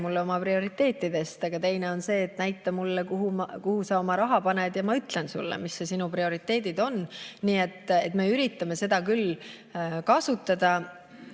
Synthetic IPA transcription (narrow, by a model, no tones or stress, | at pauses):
mulːeo̞mɑprio̞ɾit̪ːe̞ːt̪ːˑid̪̥e̞st̪ɑɡ̥ɑt̪e̞jne̞o̞nse̞ːt̪næjt̪ːˑɑmulːekuɦumkuhusɑo̞mɑɾɑɦɑpɑne̞d̪̥jɑmɑyt̪le̞nsṵlːḛmisːe̞sinuprio̞ɾit̪ˑːe̞ːd̪id̪̥o̞nniːe̞t̪ːet̪me̞yɾit̪ːˑɑme̞se̞d̪̥ɑkyl | kɑsut̪ːˑɑd̪̥ɑ